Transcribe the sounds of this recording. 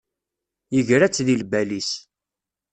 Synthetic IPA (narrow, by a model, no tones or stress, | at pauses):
jəʝɾæt͡sːðilbælis